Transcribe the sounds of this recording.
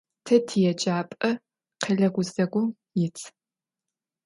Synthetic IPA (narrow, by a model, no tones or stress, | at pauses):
tʰɐtʰijɛt͡ʃʼaːpʼɐ | qʰɐɮɐɡʷʊzɐɡʷʊ | jɪt͡sʰ